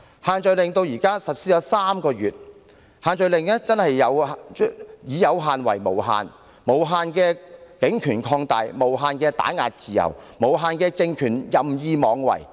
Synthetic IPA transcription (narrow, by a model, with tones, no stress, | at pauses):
haː˨nt͡ʃɥlɪ˨ŋt̪o˧wjiː˨˩kaː˥sɐ˨t̚siː˥ɔː˨˥saː˥mkɔː˧jyː˨˩t̚ | haː˨˧nt͡ʃɵ˨˧ɥlɪ˨ŋɛː˥t͡sɐ˥nhɐ˨jːɐ˨˧w | jiː˨˧jɐ˨˧wɦaː˨nwɐ̰˨˩jmo̰˨˩wɦa̰ː˨˧n | mo˨˩wɦaː˨˧nkɛː˧kɪ˨˥ŋkʰyː˨˩nkʰɔː˧ŋt̪a̰ː˨˧jmo˨˩wɦaː˨˧nkɛː˧t̪a̰ː˨˥nŋa̰ː˧t̚t͡siː˨jɐ̰˨˩wmo˨˩wɦaː˨˧nkɛː˧t͡sɪ˧ŋkʰyː˨˩njɐ˨mjiː˧mɔː˨˧ŋwɐ̰˨˩j